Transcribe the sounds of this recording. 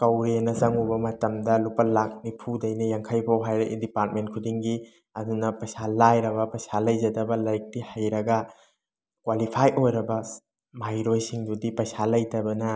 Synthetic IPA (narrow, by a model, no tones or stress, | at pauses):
kɐwɾenɐzɐŋubɐmɐtɐmdɐlupɐlak̚nipʰudɐjnɐjaŋkʰɐjpʰawɦajɾɐʔḭdipaɾt̚mentkʰudiŋɡi | ɐdunɐpɐjsalajɾɐβɐpɐjsalɐjzɐdɐbɐlajk̚tihajɾɐɡɐ | kwalipʰajʔojɾɐbɐ | majɾojsiŋdudipɐjsalɐjtɐbɐnɐ